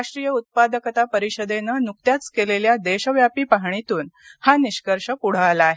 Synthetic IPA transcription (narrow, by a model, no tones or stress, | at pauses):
aʂʈɾijəut̪̚pad̪əkət̪apəɾiɕəd̪enənuk̚t̪jat͡skeleljad̪eɕəʋjapiːpaɦɳ̃it̪uːnhaniɕkəɾʂəpuɽ̤aalaːɦe